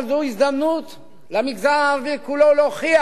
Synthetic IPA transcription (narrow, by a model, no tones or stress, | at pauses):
ld̪uisd̪amnut̪ | lamikzanaːʁvikuloloχia